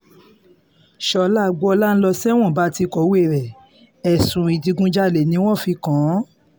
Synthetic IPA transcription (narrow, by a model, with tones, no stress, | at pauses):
ʃɔ˧la˦˧ɡ͡bɔ˦ɔ˧la˦n̩˦lɔ˧sɛ˦w̃ɔ̃˦˨ba˦ti˧kɔ˨˦we˦˨ɾɛ˨ | ɛ˨sũ˨i˨di˧ɡũ˦d͡ʒa˦˨le˨nĩ˨˦w̃ɔ̃˦˨fi˧kã˨˦